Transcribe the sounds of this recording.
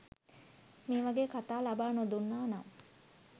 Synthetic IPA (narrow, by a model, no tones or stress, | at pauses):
miːʋaɡeːkat̪aːlabaːnod̪unːaːnam